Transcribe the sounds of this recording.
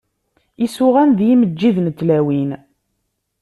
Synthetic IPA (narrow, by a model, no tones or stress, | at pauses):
isʊʁænðjiməd͡ʒːiðnt̪ːlæwin